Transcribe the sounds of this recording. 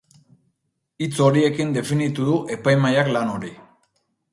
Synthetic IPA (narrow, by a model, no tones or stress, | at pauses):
it͡so̞ɾie̞kind̪e̞finit̪uðuʔe̞pajmajaklano̞ɾi